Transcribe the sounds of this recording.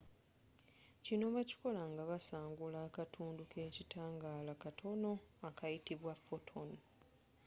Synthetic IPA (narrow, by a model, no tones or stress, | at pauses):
cino̞βaci̥ko̞laŋɡaβasaːŋɡulaːkatʰuːndukʰe̞ːcitʰaːŋɡaːlakatʰo̞no̞akajitiβwafo̞tʰo̞n